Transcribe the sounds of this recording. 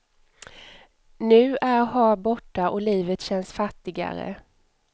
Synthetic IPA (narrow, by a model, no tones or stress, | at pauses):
nʉ̟ːʔæɾhɑːbɔʈːaʔɔliːvət̪ɕɛnːsfat̪ːɪɡa̰ɾə̰